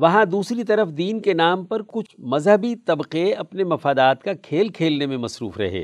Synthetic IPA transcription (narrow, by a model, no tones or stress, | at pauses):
ʋɐɦãd̪uːsɾit̪ɐɾəfd̪iːnkenaːmpɐɾkʊt͡ʃʰmɐzɦəbit̪ɐbqeɐpnemɐfaːd̪aːt̪kakʰeːlkʰeːlnemẽmɐsɾṵːfɾɐ̰ɦḛː